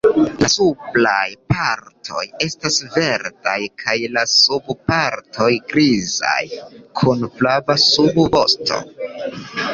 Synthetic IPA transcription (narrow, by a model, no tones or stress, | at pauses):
lasuplajpaɾtʰo̞̰je̞stasve̞ɾdajkʰajlasubpaɾtʰo̞jɡɾiza̰jkʰunflavasubvo̞̰sto̞̰